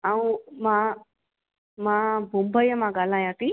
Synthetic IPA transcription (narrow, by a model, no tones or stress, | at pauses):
aũmã | mãbʱũmbəjãmãɡaːlãːjãːk̪i